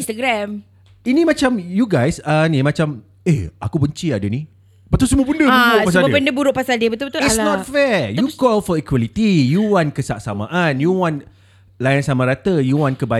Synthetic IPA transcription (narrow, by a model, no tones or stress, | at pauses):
st̪əɡɾɛm | inĩmat͡ʃamjuɡajsanĩmat͡ʃam | eakubəɲt͡ʃiadanĩ | bət̪ulsəmuəbəndəbuɾʊʔpasalbəndəbuɾʊʔpasaldiəbət̪ubət̪uisnnɔt̚fɛjukɔlfɔikwalit̪ijuwankəsaʔ̚sa̰mã̰ʔanjuwɔ̃n | lajansamãɾat̪əjuwɔ̃nkəba